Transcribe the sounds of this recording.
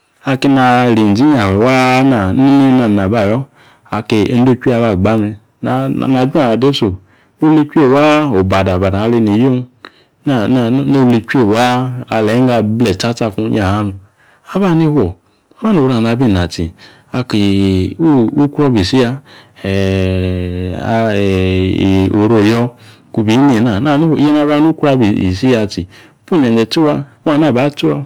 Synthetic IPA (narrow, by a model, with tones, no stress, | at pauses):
a˧ke˧na˧ɾi˨n˨d͡ʒi˦ɲa˨e˨wa˦na˨ni˦ni˦na˨na˨ba˦˨jɔ˦ | a˨ke˧e˦n̩˦o˦kʷi˦a˧˨βa˦˨ɡ͡ba˦me˧ | na˨na˨d͡ʒu˦a˨a˨de˦so˨ | o˦li˦kʷu˦e˦˨wa˦o˨ba˨da˨ba˨da˨a˧le˧ne˨jo˦n˦ | na˨na˨˦no˦˧li˧kʷe˦˨wa˦a˧lɛ˨˦ŋ˦ɡa˧blɛ˨ta˦ta˧˨ku˧˦ɲa˨ha˦nu˨ | a˦ba˦ni˦hwʷɔ˨ | a˦ba˦no˨ɾa˨na˧˨˦bi˦˨na˨ti˨ | a˧ki˨u˦u˦ku˦ɾɔ˦bi˨si˦a˧˨ | o˨ɾo˦˨jɔ˦ | ku˧bi˨˦n˦e˨na˨na˦˨n˦˨i˦e˦n˦a˦ba˦nu˦ku˦a˦bi˨ḭ˨si˦a˧ti˨˦ | pu˦˨ɲ˨ɛ˨nd͡ʒɛ˨tu˦wa˧˦a˦˨na˦˨ba˨˦tu˦a˧